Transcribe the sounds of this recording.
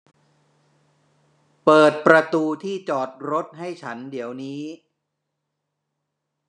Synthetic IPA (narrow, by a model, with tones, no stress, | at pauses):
pɤː˨˩t̪̚pɾa˧t̪uː˧t̪ʰiː˥˩t͡ɕɔː˨˩t̪̚ɾo˦˥t̪̚ɦa˥˩jt͡ɕʰa˦˥ndi˩˦əwniː˦˥